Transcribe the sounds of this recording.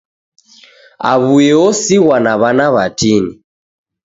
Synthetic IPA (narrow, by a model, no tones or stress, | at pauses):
a̰βujɛɔsiɣwanaβanaβatini